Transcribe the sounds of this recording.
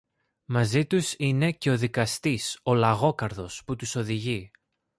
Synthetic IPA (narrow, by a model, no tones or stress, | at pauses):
mɐzit̪usine̞ce̞o̞ðikɐst̪iso̞lɐɣo̞kɐɾðo̞sput̪uso̞ðiʝi